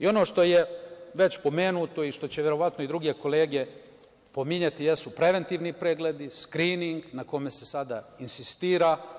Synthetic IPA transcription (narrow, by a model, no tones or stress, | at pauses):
io̞no̞ːʃt̪o̞jeʋe̞t͡ɕpo̞me̞ːnut̪o̞iʃt̪o̞t͡ɕeʋjeɾo̞ʋat̪noid̪ɾuɡe̞ko̞leːɡe̞ | po̞miɲat̪ije̞supɾe̞ʋe̞nt̪iːʋnipɾeɡled̪iskɾiːniŋɡnako̞me̞se̞sad̪ainsist̪iːɾa